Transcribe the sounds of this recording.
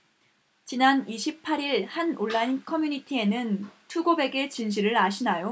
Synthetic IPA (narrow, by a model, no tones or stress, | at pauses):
t͡ɕinaniɕʰipʰaɾiɭhanoɭːainkʰʌmjuɲitʰie̞nɯntʰuɡobe̞ɡe̞t͡ɕinɕ̬ʰiɾɯɾaɕʰinajo